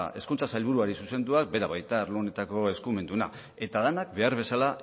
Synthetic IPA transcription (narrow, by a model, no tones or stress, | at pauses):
e̞̰skunt͡sasajlβ̞uɾuaɾisuse̞nd̪uak̚be̞ɾaβajt̪aɾlone̞t̪ako̞e̞skume̞nd̪una̰ | e̞t̪aðenak̚be̞aɾβ̞e̞sala